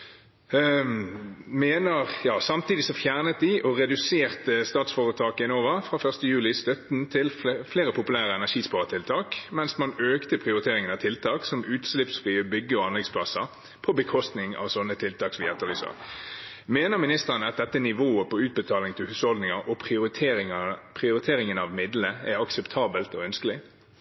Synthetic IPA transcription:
meːnəʁjɑːsɑmt̪iːd̪ɪsɔfjæʁnət̪̚d̪ɪʔɔʁɛd̪ʉseːʁt̪əst̪ɑːt̪sfɔʁət̪ʰɑːkɛnoːʋəfʁɑːfœʁst̪əjʉːlɪst̪œt̪n̩t̪ʰɪlfleːʁəpʰʊpʉlæːʁəɛnæʂiːspɑːʁət̪ʰɪlt̪ʰɑːkmɛnsmɑnøːkt̪əpʰʁɪʊʁɪt̪ʰeːʁɪŋənɑʋt̪ʰɪlt̪ʰɑːksɔmʉːt̪slɪpsfʁiːəbʏɡːəɔɑnlɛɡspʰlɑsə | pʰɔbəkʰɔst̪nɪŋɑ̰ːʋsɔnːət̪ʰɪlt̪ʰɑːksʋɪːɛt̪ːəʁlyːsə̰ʁ | meːnəʁmɪnɪst̪əʁənəɑt̪̚d̪ɛt̪ːənɪʋoːəpɔʉːt̪̚bət̪ʰɑːlɪŋt̪ʰɪlhʉːshɔld̪nɪŋəɾʔɔpʰʁɪʊɾɪt̪ʰː | pʰʁɪʊɾɪt̪ʰeːɾɪŋənɑʋmɪd̪ləæɑksɛpt̪ʰɑːbəlt̪ɔœnskəlɪ

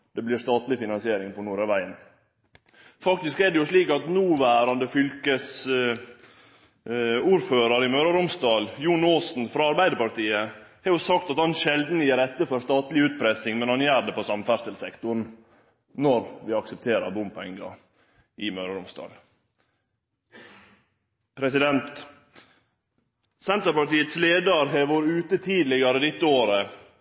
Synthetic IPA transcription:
d̪ɛblɪɾst̪ɑːt̪lɪfɪnɑnsɪeːɾɪŋpʰɔnuːɾəʋæɪən | fɑkt̪ɪskɛːɖɛjʊʂliːkɑt̪nuːʋæːɾɑnd̪əfʏlkəs | uːɾføːɾɑɾɪmøːɾəɾʊmst̪ɑːljuːnoːsn̩fɾɑɑɾbæɪd̪əɾpɑɾt̪iːəhɛɾjʊsɑkt̪ɑt̪hɑnʃɛld̪njiːɾɛt̪ːəfɔɾʂt̪ɑːt̪lɪʉːt̪̚pʰɾɛsɪŋmɛnhɑnjæːɾɖ̪ɛpɔsɑmːfæɾsəlsɛkt̪ʊɳ | nɔɾʋɪːɑksəp̚t̪ʰeːɾəɾbʊmpʰɛ̰ŋɡɑ̰ | ʔɪmøːɾɑɾʊmst̪ɑ̰ːl | pʰɾɛsɪd̪ɛnt̪ | sɛnt̪əɾpɑʈiːət̪sleːd̪ɑɾɦeːʋoːɾʉːt̪ət̪ʰiːd̪lɪɡɑɾəd̪ɪt̪ːəoːɾə

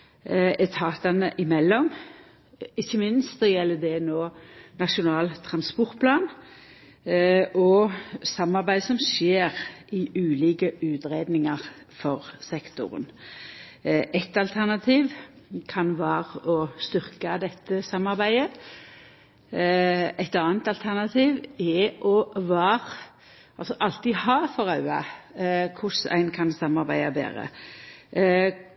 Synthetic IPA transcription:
ɛt̪ʰɑːt̪ɑnəʔɪmɛlːɔm | ɪçːəmɪnst̪ɔjɛlːəd̪ɛnoːnɑʂʊnɑːlt̪ʰɾɑnspɔʁt̪̚pʰlɑːn | ʔɔsɑmːɑʁbæɪsɔmʃeːʁʔɪʔʉːliːkəʔʉːt̪ɾeːd̪nɪŋəʁ | fɔʁsɛkt̪ʊ̰ʁə̰n | ʔɛt̪ɑlt̪ʰæʁnɑt̪ʰiːʋ | kʰɑnʋæːʁəɔst̪ʏʁkɑd̪ɛt̪ːəsɑmːɑʁbæɪə | ɛt̪ɑːnt̪ɑlt̪ʰæʁnɑt̪ʰiːʋɛʔɔʋæːʁ | ɑlsɔʔɑlt̪ihɑːfɔɾɑʉɑ̰ | kʰʊsæ̰ɪnkʰɑnsɑmːɑɾbæɪɑbḛːʁə̰

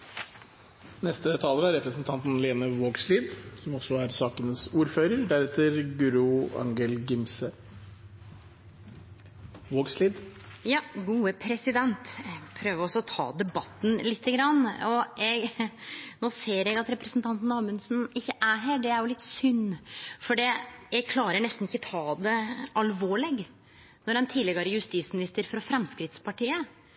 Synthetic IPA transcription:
nɛst̪ət̪ʰɑːləɾæɾɾɛpɾəsnt̪ʰɑnt̪n̩leːnəʋoːɡsliːd̪sɔmɔsɔæɾsɑːkənəsuːɾføːɾəɾɖ̪æɾɛt̪ːəɾɡʉɾʊɑ̰ŋɡəlɡɪmsə | ʋoːɡsliːd̪ | jɑːɡuːəpʰɾɛsɪd̪ɛnt̪pʰɾøːʋəɾɔsɔt̪ʰɑ̰ːd̪ɛbɑt̪ːn̩lɪt̪ʰːəɡɾɑnːɔjɛɡ | noːseːɾɛɡɑt̪ɾɛpɾəsn̩t̪ʰɑnt̪n̩ɑːmʉnsnɪçːəʔæɦæːɖɛæɾjʊlɪt̪ːsʏnːfɔɖɛjɛɡ̚kʰlɑːɾəɳɛst̪nɪçːət̪ʰɑːd̪ɛɑlʋoːɭɛɡ | nɔɾɛnt̪ʰiːd̪lɛɡɑɾjʉst̪iːt̪smɪnɪst̪əɾfɾɑfɾɛmskɾɪt̪spɑʈiːə

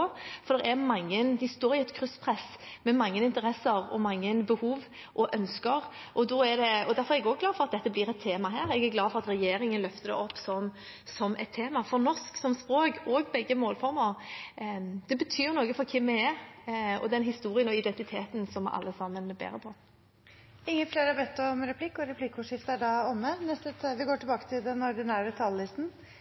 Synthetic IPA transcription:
fɔɾd̪ɛɾɛmɑŋːənd̪ɪst̪oːɾɪɛt̪kʰʁʉspʰʁɛsmɛmɑŋːənɪnt̪əɾɛsːəɾɔ̰mɑŋːənbəhuːʋ | ʔɔʔœnskəʁ | ʔɔd̪ɔɛd̪ɛɔd̪æɾfɔʁɛɛɡɔɡɡlɑːd̪fɔʁɑt̪̚d̪ɛt̪ːəblɪːɾɛt̪ʰːeːmɑɦæːɾɛɡæɾɡlɑːfɔɾʁɑt̪ɾɛjeːɾɪŋənlœft̪əd̪ɛ̰ʔɔpːsɔm | sɔmʔɛ̰t̪ʰːeːmɑfɔɾnɔsksɔmspɾoːkɔɡbɛɡːəmoːlfɔɾməɾ | d̪ɛbət̪ʰyːʊnoːɡəfɔɾkʰɪmːɛɛ | ɔ̰d̪ɛnɦɪst̪uːɾɪənɔɪd̪ɛnt̪ɪt̪ʰeːt̪nsɔmʔɑ̰lːəsɑmːənɛbḛːɾəpʰɔ | ɪŋːəfleːɾɑbɛt̪ːɔmɾɛpʰlɪkːʊɾɛpʰlɪkʊʂɪft̪æɖɑɔmːənɛst̪ət̪ʰʋɪɡoːʈɪlbɑːkə̥t̪ʰɪld̪ɛnɔɾd̪ɪnæːɾət̪ʰɑːllɪst̪n̩

